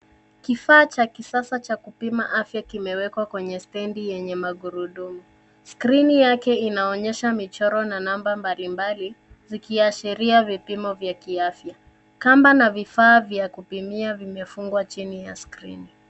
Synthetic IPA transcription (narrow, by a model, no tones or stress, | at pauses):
kifaːt͡ʃakisasat͡ʃakupima̰ʔafjakimɛwɛkwakwɛɲɛstɛndijɛɲɛmaɠuɾuɗumu | skɾinijakɛinaɔɲɛʃamit͡ʃɔɾɔnanambambalimbali | zikiaʃiɾiavipimɔvjakiafja | kambanavifaːvjakupimiavimɛfuŋɡwat͡ʃinija̰skɾḭni